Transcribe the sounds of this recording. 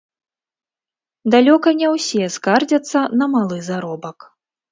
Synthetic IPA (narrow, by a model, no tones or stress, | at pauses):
d̪alʲɔkɐnʲɛwsʲɛskard͡zʲɐt̪sːɐnɐmalˠɨzaɾɔbɐk